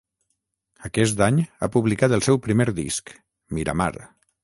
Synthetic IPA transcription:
əkɛs̬t̪aɲa̰puβlikat̪əlˠsɛwpɾimeɾðḭsk | miɾa̰ma̰ɾ

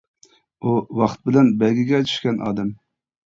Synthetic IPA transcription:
uwɑχt̪̚bɪlɛnbɛlɡʲiɡʲɛt̪ʰy̥ʃkʲɛnʔɑ̰ːd̪ɛm

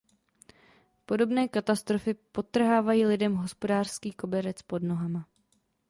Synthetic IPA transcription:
po̞do̞bnɛːkat̪ast̪ɾofɪpo̞t̪r̩ɦaːvajiːlɪdɛmɦo̞spo̞daːr̥skiːko̞bɛɾɛt͡spo̞dno̞ɦama

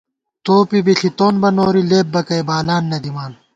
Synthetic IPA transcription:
t̪oːpibiɬit̪oːnbɐnoːɾileːp̚bɐkɐjbaːlaːnːɐd̪imaːn

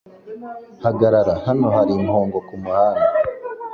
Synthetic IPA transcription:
haɡaɾaɾahano̞haɾimhoːŋɡo̞kumuhaːna

